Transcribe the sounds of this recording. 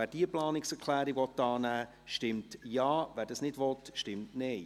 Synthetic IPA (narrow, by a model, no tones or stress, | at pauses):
æːɾd̥iəplɑːnɪksɛɾkʰlæːɾivɔtːɑːnæː | ʃtɪmtjɑːvæːɾdɑsnɪdvɔtʃtɪmtneː